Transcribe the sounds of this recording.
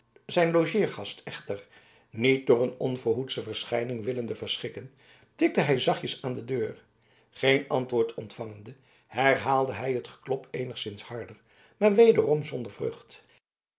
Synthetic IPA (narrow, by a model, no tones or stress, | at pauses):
zɛjnloʒɪːɹχɑstɛχtəɹ | nit̚dʊːrənɔnvʊɹɦutsəvəɹsχɛjnɪŋʋɪləndəvəɹsχɪkən | tɪk̚dəɦɛjzɑχjəsaːndədøːɹ | χejnɑntʋʊːɹtʰɔntfɑŋəndə | hɛɹɦaːlˠdəɦɛjɦətχə̥klɔpʰejnəχsɪnshɑɹdəɹ | maːɹʋejdərɔmzɔndəɹvrø̰χt